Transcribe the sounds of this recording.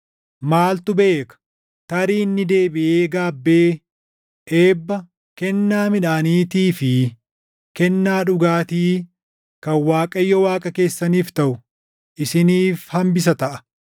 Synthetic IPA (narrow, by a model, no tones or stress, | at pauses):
maːlt̪ʊbe̞ːkɐ̥ | t̪ɐɾiːnːɪd̪e̞ːbɪʔeːɡaːbːeː | ʔeːbːɐ | kɛnːaːmɪᶑaːniːt̪iːfɪ | kɛnːaːᶑʊɡaːt̪iː | kɐwaːkʼɐjːɔwaːkʼɐke̞ːsːɐniːft̪ɐʔʊ | ʔɪsɪniːfhɐmbɪs̬ɐt̪ɐʔɐ̥